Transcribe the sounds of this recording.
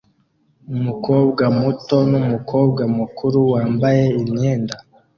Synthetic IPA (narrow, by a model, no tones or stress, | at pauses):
umukoːb̚ɡamuto̞numukʰo̞ːb̚ɡamukʰuɾuwaːmbaje̞imɲeːnda